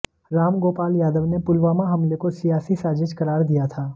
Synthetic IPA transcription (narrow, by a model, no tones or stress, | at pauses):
ɾaːmɡoːpaːljaːd̪əʋnepʊlʋaːmaɦɐmlekosijaːsisaːd͡ʒɪʃkɐɾaːɾd̪ijat̪ʰaː